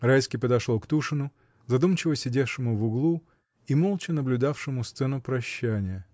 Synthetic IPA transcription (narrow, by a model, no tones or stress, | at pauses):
ɾajskʲɪpəd̪ɐʂlˠokt̪uʂɨnʊ | zɐd̪umt͡ɕɪvəsʲɪdʲefʂɨmʊvʊɡlˠu | imolˠt͡ɕɪnəblʲʊd̪afʂɨmʊst̪sɛnʊpɾɐɕːænʲɪjə